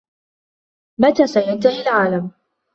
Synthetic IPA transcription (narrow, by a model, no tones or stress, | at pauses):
mat̪aːsajant̪ahilʕaːlam